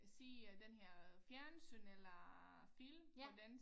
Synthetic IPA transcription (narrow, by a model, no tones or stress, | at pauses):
siːd̥enhɛɐ̰fjæɐnsynelɐ | filmɒd̥en